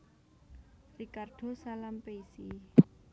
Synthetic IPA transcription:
rikarɖ̥o̤salampeisi

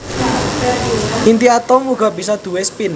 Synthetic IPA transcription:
ʔint̪iat̪ɔmuɡ̥a̤b̥isɔd̪̥ṳwespin

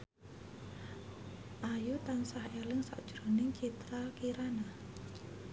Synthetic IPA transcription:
ʔajut̪ansahelɪŋsa̰ʔd̥ʒ̥ɾonɪŋt͡ʃit̪ɾakiɾana

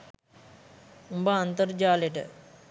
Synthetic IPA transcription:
umbaːnt̪əɾd͡ʒaːleʈ̬ə̰

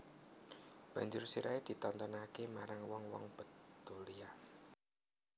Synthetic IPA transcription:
b̥a̤ɲd͡ʒʊrsiɾaed̪̥i̤t̪ɔnt̪ɔnakemaɾaŋwɔŋwɔ̰ŋb̥ə̤t̪ːolia

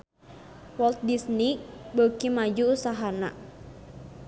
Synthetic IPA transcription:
wɔlt̪̚disnibəkimad͡ʒuːsaɦana̰

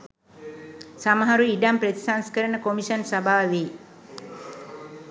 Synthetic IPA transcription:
samɐɦaɾuiɖampɾɐt̪isaŋskɐɾɐɳəkomiʃɐnsɐbʱaːʋi

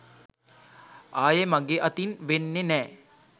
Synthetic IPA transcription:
aːjemɐɡeʔɐt̪inʋenːenɛː

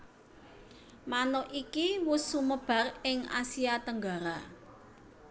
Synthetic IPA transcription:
manɔʔikiwʊsːuməb̥a̤rɪŋa̰siat̪əŋɡaɾa

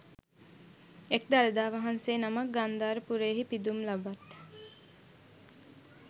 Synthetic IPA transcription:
ek̚d̪aləd̪aːʋaɦanseːnamak̚ɡand̪aːɾəpuɾeːɦipid̪umlabat̪

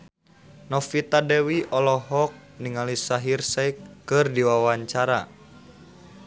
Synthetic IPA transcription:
nɔfit̪adɛwiʔɔlɔɦɔk̚niŋalisaɦirsɛjkːɨrdiwawaɲt͡ʃaɾa

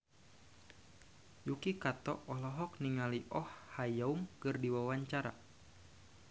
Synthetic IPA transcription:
jukikat̪ɔʔɔlɔɦɔk̚niŋaliʔɔhhajaumkɨrdiwawaɲt͡ʃaɾa̰

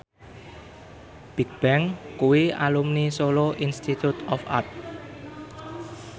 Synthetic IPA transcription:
b̥i̤k̚b̥ɛŋkuwiʔa̰lumnisoloʔinst̪it̪ut̪ɔfa̰t̪̚

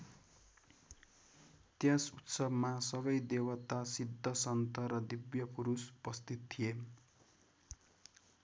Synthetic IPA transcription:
t̪jãsut̪sʌbmasʌβʌjd̪ewʌt̪asid̪ʱːʌsʌnt̪ʌɾʌd̪ibjʌpuɾuspʌst̪it̪t̪ʰːie

